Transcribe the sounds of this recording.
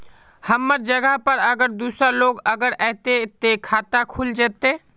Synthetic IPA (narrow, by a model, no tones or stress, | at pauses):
həmːəɾd͡ʒəɡəɦpəɾəɡəɾd̪usəloɡəɡəɾɛɪt̪et̪ekʰat̪akʰuld͡ʒɛt̪e